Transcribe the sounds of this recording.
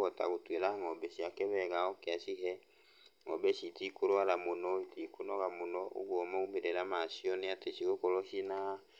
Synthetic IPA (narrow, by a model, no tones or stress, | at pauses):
ɔta̰ɣotwelaŋɔbɛʃiakɛβɛɣaɔkeaʃiɦɛ | ŋɔbɛʃitikoɾoalamonɔitikonɔɣamonɔʔo̰ɣɔmaumeɾeɾamasiɔneateʃiɣokɔlɔʃina